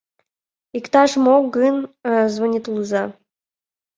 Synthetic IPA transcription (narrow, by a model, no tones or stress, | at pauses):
ikt̪ɑʃmoɡɨnzvonʲit̪lˠuzɑ